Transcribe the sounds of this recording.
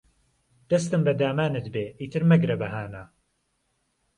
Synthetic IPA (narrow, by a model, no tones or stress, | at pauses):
d̪̥ɐst̪ɨmbɐd̪aːmaːnɨt̪beːʔiːt̪ʰɨɾmɐɡɾɐbɐɦaːna